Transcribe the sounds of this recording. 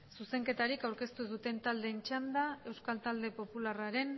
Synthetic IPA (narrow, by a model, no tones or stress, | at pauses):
suse̞ŋke̞t̪aɾikawɾke̞st̪uðut̪e̞nt̪ald̪e̞nt͡ʃand̪ae̞wskalt̪ald̪e̞po̞pularaɾe̞n